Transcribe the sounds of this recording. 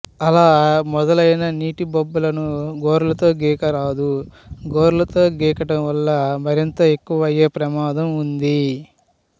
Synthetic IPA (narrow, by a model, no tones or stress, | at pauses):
ɐlaːmɔd̪ɐlɐjnɐniːʈibobːɐlɐnuɡoːɾulɐt̪o̞ːɡɛːkɐɾaːd̪u | ɡoːɾlɐt̪o̞ːɡɛːkɐʈɐmʋɐlːɐmɐɾint̪ɐe̞kːuʋɐjeːpɾɐmaːd̪ɐmund̪i